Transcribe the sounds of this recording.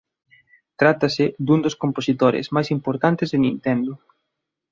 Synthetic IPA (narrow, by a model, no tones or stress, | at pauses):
t̪ɾat̪asɪd̪und̪oskomposit̪oɾɪ̰zmajsimpoɾt̪ant̪ɪzðɪnĩnt̪ɛnd̪ʊ